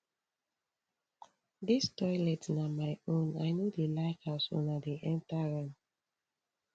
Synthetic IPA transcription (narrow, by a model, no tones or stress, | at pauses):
distɔjlɛtsnamaɪõnaɪnodelaɪkaʊsɔ̰̃nadeʔɛ̃ntaɹãm